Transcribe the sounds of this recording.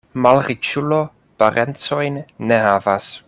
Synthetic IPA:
malɾit͡ʃulo | paɾent͡sojnːehavas

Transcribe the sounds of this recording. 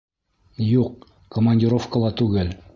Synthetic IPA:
juq̚ | komanʲdʲiɾo̞fkəlˠɑt̪ʉɡɘl

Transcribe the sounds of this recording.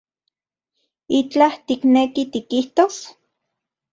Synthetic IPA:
it͡ɬaht̪iknekit̪ikiht̪os

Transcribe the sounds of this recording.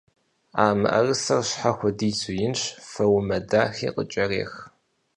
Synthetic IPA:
aːmɨ̰ʔɐ̰rɨsɐrɕħaxʷɔdiːzʊjɪnɕfɐwmɐdaːxḭːqə̰t͡ʃʼɐrḛːx

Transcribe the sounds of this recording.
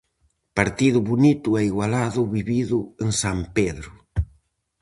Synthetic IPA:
paɾt̪iðʊβunit̪ʊɛiɣwalaðʊβiβiðʊeŋsampeðɾʊ

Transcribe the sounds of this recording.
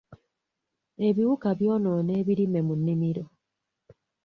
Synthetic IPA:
eβiwukaβjɔnɔneːβiɾimemunːimiɾo

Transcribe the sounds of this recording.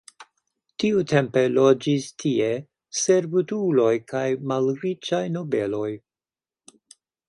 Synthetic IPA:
tiutʰe̞mpe̞lo̞d͡ʒistʰie | se̞ɾbutulo̞jkajmalɾit͡ʃajno̞be̞lo̞j

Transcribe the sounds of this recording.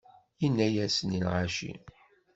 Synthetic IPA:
jinːæjæsnilʕaʃḭ

